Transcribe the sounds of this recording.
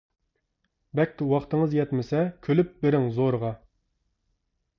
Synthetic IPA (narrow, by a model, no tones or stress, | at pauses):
bɛkʲt̪ʲɪwɑχt̪əŋəzjɛt̪mɪsɛkʲʰølyp̚beɾɪŋzoɾʁɑ